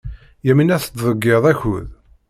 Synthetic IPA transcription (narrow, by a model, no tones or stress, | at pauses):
jæminæθət̪ðˤəɡːeðˤæçuð